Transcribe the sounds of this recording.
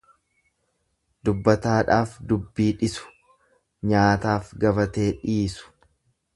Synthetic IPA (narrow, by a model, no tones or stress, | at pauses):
d̪ʊbːɐt̪aːᶑaːfd̪ʊbːiːᶑɪsʊ̥ | ɲaːt̪aːfɡɐbɐt̪e̞ːᶑiːsʊ̥